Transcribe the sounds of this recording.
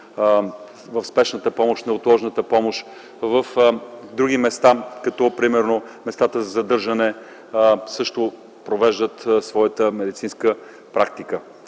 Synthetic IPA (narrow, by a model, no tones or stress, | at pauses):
vəfspɛʃnət̪əpɔmoʃnɛot̪lˠɔʒnət̪əpɔmoʃ | vəfd̪ɾuɡ̟imɛst̪akɐt̪ɔpɾimɛɾnomɛst̪at̪əzɐzɐd̪ɤɾʒɐnɛ | sɤʃt̪ʊ | pɾovɛʒd̪ət̪svɔjət̪əmɛd̪it̪sinskə | pɾak̚t̪ikə